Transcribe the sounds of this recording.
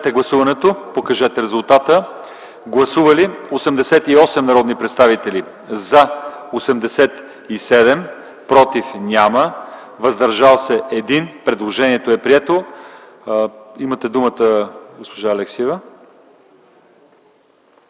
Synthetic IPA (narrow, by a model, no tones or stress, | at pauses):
t̪ɛɡlˠɐsuvɐnɛt̪opokɐʒɛt̪ɛɾɛzulˠt̪at̪ə | ɡlˠɐsuvɐliosɛmd̪ɛsɛt̪iɔsɛmnɐɾɔd̪nipɾɛt̪st̪avit̪ɛli | zɐosɛmd̪ɛsɛt̪ | isɛd̪ɛm | pɾɔt̪ifnʲamə | vɐzd̪ɐɾʒalˠsɛʔɛd̪inpɾɛd̪lˠoʒɛniɛt̪oɛpɾiɛt̪o | imɐt̪ɛd̪umət̪əɡospoʒaːlɛksiɛvə